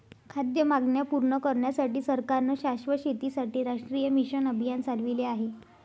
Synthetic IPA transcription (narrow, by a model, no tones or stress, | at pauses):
kʰad̪jəmaɡɳjapuɾɳəkəɾɳjasaʈiːsəɾkaɾnəɕaʂʋəɕet̪isaʈiːɾaʂʈɾijəmiɕənəbʱjant͡salʋileaɦe